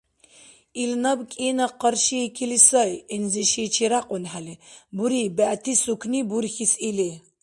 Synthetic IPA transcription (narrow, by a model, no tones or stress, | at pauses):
ilnɐbkʼinɐqəɾʃiːkʰilisəjinziʃit͡ʃʰiɾaqʼʊnħalibuɾibæʔt̪ʰisukʰnibuɾxisili